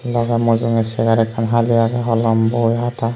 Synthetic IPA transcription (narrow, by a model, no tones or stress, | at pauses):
lɔɡamɔzuŋɛsɛɡaɾɛkʰːanɦaliaɡaɦɔlɔmbɔjɦata